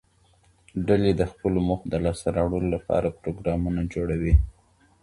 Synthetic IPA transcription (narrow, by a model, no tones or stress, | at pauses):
ɖaled̪əxpəloməxd̪əlɑst̪aɾɑwɽəlolapɑ̰ɾapɾoɡɾɑmunad͡ʒoɽawi